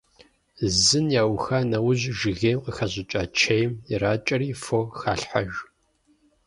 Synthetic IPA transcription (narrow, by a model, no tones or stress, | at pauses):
zɨnjaːwxanɐwʊʑʒɪɣeːmqəxɐʑɪt͡ʃʼaːt͡ʃʰɐjmiraːt͡ʃʼɐɾiːfoxaːɬħa̰ʒ